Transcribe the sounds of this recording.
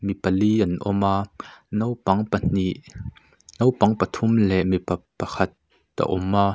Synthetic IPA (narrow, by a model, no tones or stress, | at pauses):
mipɐliʔɐnʔɔmaːnwpɐŋpɐn̥iʔ | nowpɐŋpɐt̪ʰʊmlɛʔmipɐpɐkʰɐt̪̚ː | a̰ʔɔmʔaː